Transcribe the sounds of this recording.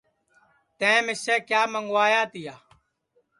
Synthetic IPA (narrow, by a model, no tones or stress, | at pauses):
t̪ẽːmɪseːkjaːməŋɡwaːjaːt̪ijaː